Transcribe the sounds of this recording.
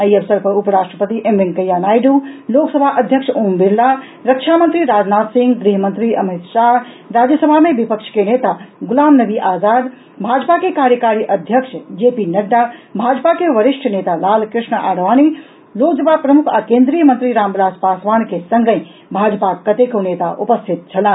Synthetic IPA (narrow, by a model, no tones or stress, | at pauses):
əiɐʋsəɾpɐɾupəɾaːʂʈɾəpət̪iʔemʋiŋkɐjanaːjɖuloːksəbʱaʔəd̪ʱjəkʂʰombiɾla | ɾɐkʃʰamənt̪ɾiɾaːd͡ʒnaːt̪sĩŋɡd̪ɾiɦəmə̃nt̪ɾiʔɐmit̪ʃaɾ | ɾaːd͡ʒjəsəbʱamẽʋipəkʃʰkeneːt̪aɡulaːmnɐʋiʔaːzaːd̪ | bʱaːd͡ʒpakekaːɾjəkaːɾiʔɐd̪ʱjəkʂd͡ʒeːpinɐɖːabʱaːd͡ʒpakeʋɐɾɪʂʈʰneːt̪alaːlkɾɪʃɳəʔaːɽʋaːni | loːkd͡ʒəbaːpɾɐmʊkʰakẽːnd̪ɾijəmɐnt̪ɾiɾaːmblaːspaːsʋaːnkesɐ̃ŋɡə̃ | bʱaːd͡ʒpakɐt̪ekoneːt̪aʔʊpəst̪ʰɪt̪̚t͡ʃʰɐlãːn